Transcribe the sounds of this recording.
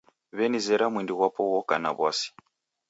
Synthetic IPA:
βɛnizɛɾamwindiwapɔwɔkana̰βwasi̥

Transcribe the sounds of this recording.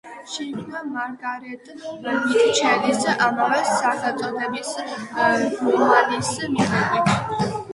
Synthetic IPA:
ʃimnamaɾɡaɾɛt̪ʼmit̪t͡ʃʰɛd̪isʔamavɛsaχɛt̪ʼɔd̪ʰɛbis | ɡumanismiʁɛbi

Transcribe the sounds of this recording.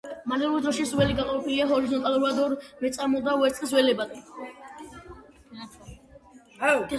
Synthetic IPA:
manɛluɾid̪ɾɔʃisɾwɛliɡaqʼɔvɛpʼiliaɦɔɾizɔnt̪ʼaluɾad̪ɔɾmɛt̪sʼamɔd̪auɛɾt̪sʼqʼɛs̬wɛlɛbad̪ɛ

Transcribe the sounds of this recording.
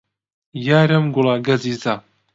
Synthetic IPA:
jaːɾɐmɡʊlaːɡɐziːzaː

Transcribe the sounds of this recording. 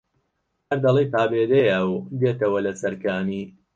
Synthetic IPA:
hɐɾd̪ɐlˠijpaːbeːd̪ejəwd̪eːt̪ɐwɐlɐsɐɾkaːniː

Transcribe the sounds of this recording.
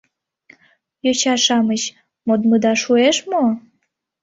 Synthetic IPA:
jot͡ɕɑʃɑmət͡ɕ | mod̪məd̪ɑʃueʃmo

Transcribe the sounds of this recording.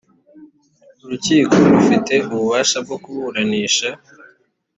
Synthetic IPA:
uɾuciːko̞ɾufite̞uβuβaːʃab̚ɡo̞kuβuɾaniːʃa

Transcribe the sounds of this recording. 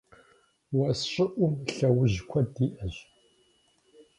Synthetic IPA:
wɐsɕʼɪʔʷʊmɬɐwʊʑkʷʰɐdiːʔɐʑ

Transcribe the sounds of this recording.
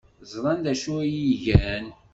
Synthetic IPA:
zˤɾˤɑnd̪æʃuɾjiʝæn

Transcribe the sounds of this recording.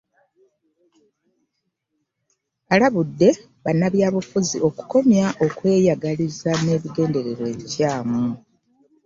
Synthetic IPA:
alaβudːe̞ | βanːaβjaːβufuziʔo̞ku̥ko̞mjaʔo̞kwe̞ːjaɡalizane̞ːβiɡe̞ːnde̞ɾe̞ɾwe̞ːβicaːmu

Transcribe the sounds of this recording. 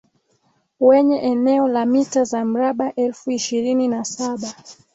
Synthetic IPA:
wɛɲɛʔɛnɛɔlamitazam̩ɾaɓaʔɛlfuiʃiɾininasaɓa

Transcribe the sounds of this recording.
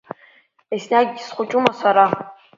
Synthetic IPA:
esnaɡʲisχʷʊt͡ʃʼumasaɾa

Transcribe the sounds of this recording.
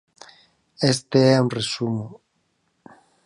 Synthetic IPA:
est̪eɛuŋresumʊ

